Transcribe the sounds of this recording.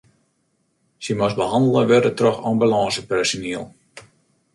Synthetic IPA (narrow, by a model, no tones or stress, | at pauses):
simasbəɦɑndl̩ˠəʋɪɾətrɔxɑmbəlɑːsəpɛrsoniəlˠ